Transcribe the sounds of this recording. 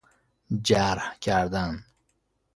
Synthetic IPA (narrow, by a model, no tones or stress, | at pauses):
d͡ʒaɾhkʰæɾd̪an